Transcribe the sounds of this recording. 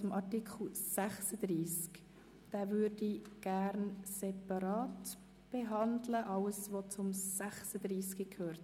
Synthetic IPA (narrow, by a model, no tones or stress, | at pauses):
ʊmʔɑɾtikʰl̩sæχsəd̪riːsk | d̥æːvʏɾdiɡ̥æɾnsɛpɑɾɑːt | b̥eɦɑndləʔɑləsʋot͡sʊmsæχsəd̪riːskəkʰøːɾt